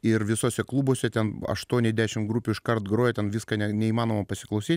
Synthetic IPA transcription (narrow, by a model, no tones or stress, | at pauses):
ɪɾʋʲɪsoːsʲɛklˠuːboːsʲɛt̪ʲɛnɐ̰ʃt̪uɔnʲɛzd̪ʲæːʃʲɪmɡɾuːpʲuːɪʃkɐrt̪ɡɾoːjɛt̪ʲɛnʋʲiːskɑnʲɛnʲɛiːmɑːnoːmɐpɐsʲɪklˠɐʊsʲiːtʲ